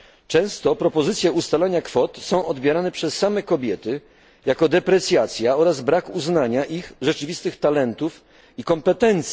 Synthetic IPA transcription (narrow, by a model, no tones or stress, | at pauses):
t͡ʂɛ̃w̃st̪ɔpɾɔpɔzɘt̪sʲjɛust̪alaɲakfɔt̪sɔ̃w̃ɔd̪bʲjɛɾanɛpʂɛsːamɛkɔbʲjɛt̪ɘ | jakɔd̪ɛpɾɛt̪sʲjat̪sʲjaɔɾazbɾakuznaɲaʔixʐɛt͡ʂɘvʲist̪ɘxt̪alɛnt̪uf | ikɔmpɛt̪ɛnt̪s